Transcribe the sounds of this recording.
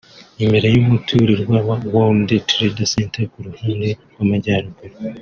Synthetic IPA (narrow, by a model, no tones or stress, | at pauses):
imbeɾejumutʰuːɾiɾwaːβawandetʰɾedaseːntekuɾuhiːnde | wamaɟaːɾoɡuɾe